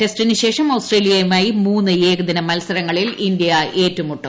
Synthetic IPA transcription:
ʈe̞sʈinɨɕe̞ːʂɐmoːsʈreːlijɐjumaːjimuːnːɨjeːɡɐd̪ɐnɐmɐlsɐɾɐŋːɐɭilind̪ijɐʔe̞ːtːumuʈːɨ

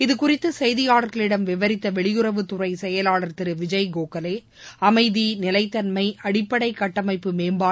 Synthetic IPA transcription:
ɪðɯkʊrɪt̪ːɯsɛjðɪjaːɭɐɾɣɐɭɪɽɐmʋɪʋɐɾɪt̪ːɐʋɛɭɪjʊɾɐʋɯt̪ʊrɐɪsɛjɐlaːɭɐɾt̪ɪɾɯʋɪd͡ʒɐɪɡoːkɐleː | ɐmɐɪðinɪlɐɪt̪ːɐnmɐɪʔɐɽɪpːɐɽɐɪkɐʈːɐmɐɪpːɯmeːmbaː

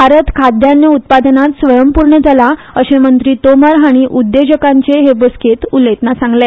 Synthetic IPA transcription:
bʱaɾət̪kʰad̪janːeut̪̚pad̪nat̪sʋəjəmpuɾɳəd͡zala | əɕemənt̪ɾiːt̪oməɾɦaɽ̃iʔud̪ːed͡ʑəkaɲt͡seɦebosket̪ulːet̪nasãŋɡle

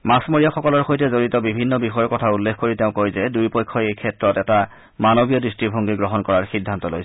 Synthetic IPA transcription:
masmoɹijaxɔkɔlɔɹxojtɛzoɹitɔbibʱinːɔbixɔjɔɹkɔtʰaulːekʰkoɹiteʊ̃kojzɛdujpɔjkʰɔejkʰɛtɹɔtɛta | manobijɔdɹistibʱoŋɡiɡɹɔɦɔnkɔɹaɹxidʱːantɔlo̰js

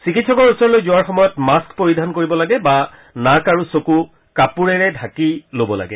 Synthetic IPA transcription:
sikitsʰɔkɔɹusɔɹlojzuaɹxɔmɔjɔtmaskpoɹidʱankoɹibɔlaɡɛba | nakaɹusoku | kapuɹɛɹɛdʱakilobɔla̰ɡɛ̰

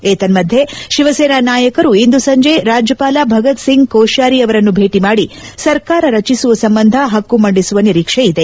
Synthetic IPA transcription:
eːt̪ɐnmɐd̪ʱjeʃiʋɐseːnanaːjɐkɐɾuind̪usɐɲd͡ʒe̞ːɾaːd͡ʒjɐpaːlaːbʱɐɡɐt̪siŋɡkoːʃaːɾiɐʋɐɾɐnːubʱeːʈimaːɽi | sɐɾkaːɾɐɾɐt͡ʃisuʋɐsɐmbɐnd̪ʱɐɦɐkːumɐɳɖisuʋɐniɾiːkʂeid̪e̞

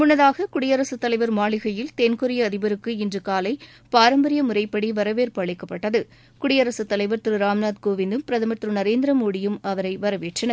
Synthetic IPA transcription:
mʊnːɐðaːɣɐkʊɽɪjɐɾɐsɯt̪ːɐlɐɪʋɐɾmaːɭɪɣɐjɪlt̪enkʊɾɪjɐːðɪbɐɾɯkːɯɪndrɯkaːlɐɪ | paːɾɐmbɐɾɪjɐmʊɾɐɪpːɐɽiʋɐɾɐʋeːɾpɐɭɪkːɐpːɐʈːɐðɯ | kʊɽɪjɐɾɐsɯt̪ːɐlɐɪʋɐɾt̪ɪɾɯɾaːmnaːd̪koːʋɪnd̪ɯmpɪɾɐðɐmɐt̪ɾɯnɐɾeːnd̪ɾɐmoːɽɪjɯmɐʋɐɾɐɪʋɐɾɐʋeːʈrɐnɐ

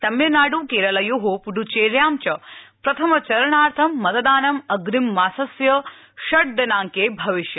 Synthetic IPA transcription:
t̪ɐmjɐnaːɖuːkeːɾɐlɐjoːɦopuɖut͡ʃeːɾjaːmt͡ʃɐpɾɐt̪ʰɐmɐt͡ʃɐɾɐɳaːɾt̪ʰɐmːɐt̪ɐd̪aːnɐmɐɡɾimːaːsɐsjɐ | ʃɐɽd̪ɐnaːŋkeːbʱɐʋiʃjɐ

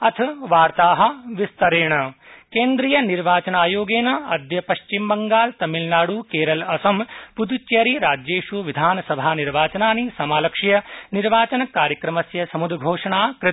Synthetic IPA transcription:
ɐt̪ʰɐʋaːɾt̪aːɦɐ̆ʋist̪ɐɾeːɳɐkeːnd̪ɾijɐniɾʋaːt͡ʃɐnaːjoːɡeːnɐɐd̪jɐpɐʃt͡ʃimbɐŋɡaːlt̪ɐmilnaːɽukeːɾɐlɐsɐmpud̪ut͡ʃjɐːɾiɾaːd͡ʒjeːʂuʋid̪ʱaːnɐsɐbʱaːniɾʋaːt͡ʃɐnaːnisɐmaːlɐkʂijɐniɾʋaːt͡ʃɐnɐkaːɾjɐkɾɐmɐsjɐsɐmud̪ɡʱoːʂɐɳaːkɾ

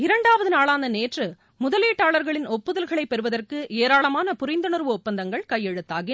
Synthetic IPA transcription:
ɪɾɐɳɖaːʋɐðɯnaːlɭaːnd̪ɐneːʈrɯ | mʊðɐleːʈːaːɭɐɾɣɐɭɪnɔpːɯðɐlɣɐɭɐɪpːɛɾɯʋɐðɐrkɯʔeːɾaːɭɐmaːnɐpʊɾɪnd̪ɐnɯɾʋɯɔpːɐnd̪ɐŋɡɐɭkɐjːɛɻɯt̪ːaːɣɪ

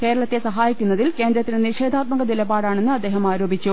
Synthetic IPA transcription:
ke̞ːɾɐɭɐt̪ːe̞sɐɦaːjikʲːunːɐðilke̞ːnd̪ɾɐt̪ːineniʂeːd̪aːt̪̚mɐɣɐnilɐbaːɽaːɳe̞nːɨɐd̪ːe̞ːɦɐmaːɾo̞ːbʱit͡ɕːu

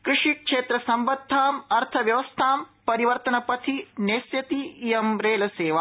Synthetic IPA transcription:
kɾɪʂikʂeːt̪ɾɐsɐmbɐd̪ʱːaːmɐɾt̪ʰɐʋjɐʋɐst̪ʰaːmpɐɾiʋɐɾt̪ɐnɐpɐt̪ʰineːsjɐt̪iːjɐmɾeːlɐseːʋa

